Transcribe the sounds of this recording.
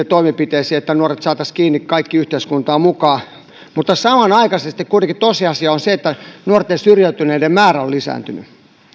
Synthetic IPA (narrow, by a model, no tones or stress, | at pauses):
et̪oimepit̪eisiːet̪ːænuoret̪sɑːt̪ɑskiːnːikkɑikːiyht̪eiskunt̪ɑːmukɑː | mut̪ːɑsɑmɑnɑikɑsest̪ikkuit̪eŋkit̪oisiɑsiɑonseet̪ːænuort̪ːeːsyrjæyt̪yneidemmæːræollisæ̰ːnt̪yny̰